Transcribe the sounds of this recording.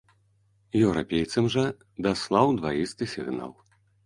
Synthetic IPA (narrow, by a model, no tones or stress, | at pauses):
jɛwɾa̰pʲejt̪sɐmʐɐ | d̪aslˠawd̪vajist̪ɨsʲiɣna̰lˠ